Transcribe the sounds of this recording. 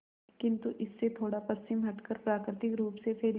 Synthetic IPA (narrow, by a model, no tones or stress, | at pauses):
kɪ̃nt̪uʔɪsːet̪ʰoːɽapɐst͡ʃɪmɦɐʈkəɾpɾaːkɾɪt̪ɪkɾuːpsepʰeː